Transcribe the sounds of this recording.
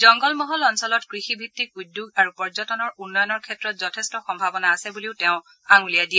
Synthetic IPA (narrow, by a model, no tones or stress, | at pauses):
zɔŋɡɔlmɔɦɔlɔnsɔlɔtkɹixibʱitːik̚udːjuɡaɹupɔɹzɔtɔnɔɹunːɔjɔnɔɹkʰɛtɹɔtzɔtʰɛstɔxɔmbʱabɔnaːsɛbuliʊteʊ̃ | aŋulijadiɛ